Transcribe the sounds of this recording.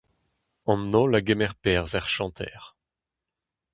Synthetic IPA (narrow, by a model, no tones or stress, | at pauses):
ɑ̃nːɔlaɡɛmɛʁpɛːʁzaʁʃɑ̃t̪ʰɛ̰ʁ